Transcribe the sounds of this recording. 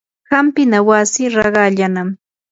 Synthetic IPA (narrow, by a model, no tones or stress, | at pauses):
hampɪnawasɪɾɑɢɑʎanam